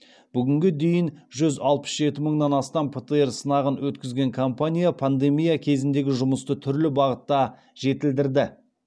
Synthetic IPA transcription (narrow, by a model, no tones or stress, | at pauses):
b̥ʏɡʲɪŋɡʲed̪e̞jɪnʒʏzɑlˠpə̥sʒe̞t̪ɪməɴd̪ɑnɑst̪ɑmpʰet̪əe̞ɾsənɑʁənwɵt̪kʲɪzɡʲe̞ŋkʰompanʲijapʰand̪e̞mijakʲʰe̞zɪnd̪e̞ɡʲɪʒʊməst̪ət̪ʰʏɾlɪbɑʁət̪ːɑ | ʒe̞t̪ɪld̪ɪɾd̪ɪ